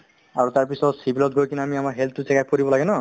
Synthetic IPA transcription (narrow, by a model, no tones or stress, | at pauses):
aɹutaɹpisɔtsibilɔt̚ɡʱojkinamiamaɹɦɛlttːusɛkak̚poɹibɔlaɡɛnɔ